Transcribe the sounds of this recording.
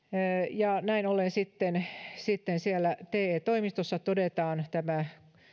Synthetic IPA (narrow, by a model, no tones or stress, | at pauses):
jɑnæinolensit̪ːensit̪ːensiælːæt̪eːet̪oimist̪osːɑt̪odet̪ɑːnt̪æmæ